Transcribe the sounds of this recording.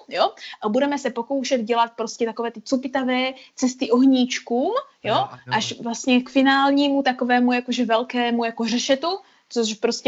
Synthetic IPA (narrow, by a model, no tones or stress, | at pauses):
joʔabudɛmɛsɛpo̞ko̞wʃɛd̪ɟɛlat̪̚pɾo̞scɛt̪ako̞vɛːt̪ɪt͡supɪt̪avɛːt͡sɛst̪ɪʔo̞ɦɲiːt͡ʃkuːm | joʔaʃvlast̪ɲɛkfɪnaːlɲiːmut̪ako̞vɛːmujakoʒɛvɛlkɛːmujako̞rɛʃɛt̪u | t͡soʃpɾoscɛ